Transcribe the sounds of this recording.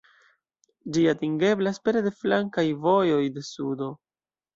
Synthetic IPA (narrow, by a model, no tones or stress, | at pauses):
d͡ʒiatiŋɡe̞blaspe̞ɾede̞flaŋkajvo̞jo̞jde̞sudo̞